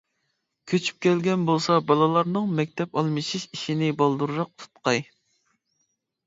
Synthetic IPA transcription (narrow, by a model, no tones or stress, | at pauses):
kʲʰøt͡ʃʰy̥p̚kʲɛlɡʲɛnbolˠsɑbɑlˠɨlˠɑɾnɨŋmɛk̚ʲt̪ʰɛpɑlˠmɨʃiʃiʃinɪbɑlˠd̪uɾɾɑq̚t̪ʰu̥t̪qɑj